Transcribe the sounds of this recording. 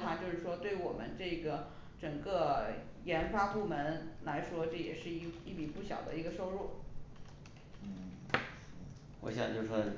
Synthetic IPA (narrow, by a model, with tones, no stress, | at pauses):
t̪ʰa˥t͡ɕjo˥˧ʊʂɻ̩˥˩ʂwɔ˥t̪we˥˩ɪwɔ˨˩mʔə̰˦nʈ͡ʂɤ˥˩ɡə˩ | ʈ͡ʂɤ˨˩ŋkə˥˧ | jɛ˧˥nfa˥pu˥˩mə˧˥nla˧˥ɪʂwɔ˥ʈ͡ʂɤ˥˩jɛ̰˨˩ʂɻ̩˥˧i˥˧i˥˩pi˨˩pu˥˩ɕjɑ˨˩ʊd̪ə̰˦i˧˥ɡə˧ʂo˥ʊɻu˥˩ | n̩˥˩ | wɔ̰˧˥ɕjɑ̰˨˩ŋt͡ɕjo˥˧˩ʂɔ˥˩